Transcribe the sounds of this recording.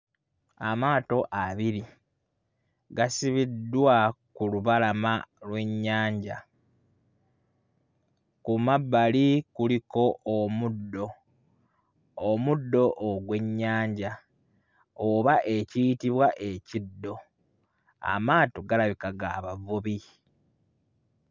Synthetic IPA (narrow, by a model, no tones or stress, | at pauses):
amaːto̞ʔaβiɾi | ɡasiβidːwakuluβalamalwe̞ɲːaːɲɟa | kumabːalikuliko̞ʔomudːo̞ | mudːo̞ʔoɡwe̞ɲːaːɲɟa | oβaʔe̞cijitiβwaʔe̞cidːo̞ | a̰maːtoɡalaβikaɡaːβavuβi